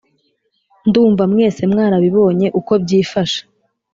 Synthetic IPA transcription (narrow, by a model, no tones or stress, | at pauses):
nduːɱvamŋe̞ːse̞mŋaːɾaβiβo̞ːɲe̞ʔuko̞b̚ɟiːfaʃḁ